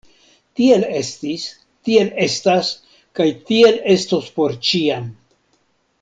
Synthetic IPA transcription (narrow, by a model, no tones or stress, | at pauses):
tie̞le̞stis | tie̞le̞stas | kajtie̞le̞stospo̞ɾt͡ʃian